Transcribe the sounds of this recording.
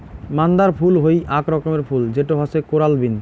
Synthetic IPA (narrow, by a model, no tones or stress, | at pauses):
mand̪aɾpʰulɦojʔakɾɔkomeɾpʰuld͡ʑeʈoɦɔsekoɾalbin